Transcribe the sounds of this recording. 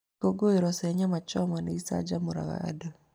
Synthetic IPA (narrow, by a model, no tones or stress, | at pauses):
koɡoeɾɔsɛɲamat͡ʃɔmaneisa̰d͡ʒamuɾa̰ɣa̰a̰da